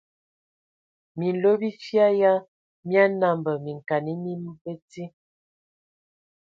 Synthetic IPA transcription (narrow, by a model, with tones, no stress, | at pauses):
mi˨n˨lo˦bi˦fja˦ja˦ | mja˦na˦˨mbə˨mi˨ŋ˨ka˨ni˦mi˦m˦bə˦ti˦